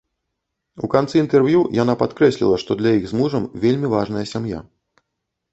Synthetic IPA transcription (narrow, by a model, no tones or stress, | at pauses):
ukant̪sɨint̪ɛrvjujan̪apat̪kɾɛsʲlʲḭlˠɐʂt̪ɔd̪lʲɐjiɣzmuʐɐmvʲelʲmʲivaʐnɐjɐsʲamja̰